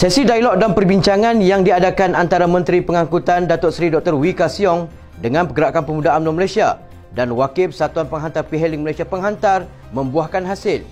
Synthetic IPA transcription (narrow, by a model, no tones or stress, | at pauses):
sɛsidajlɔk̚danpərbiɲt͡ʃaŋãnjaŋdiadakanant̪aɾamə̃nt̪ɾipəŋãkut̪andat̪ɔt̪̚sɾidɔk̚t̪ərwikasiɔŋ | dəŋãnpəɡəɾaʔkanpəmudaʔamnuməlajsia | danwakɪp̚sat̪uanpəŋɦant̪arpiɦɛlɪŋməlajsiapəŋɦant̪ar | mə̃mbuahkanɦasɪl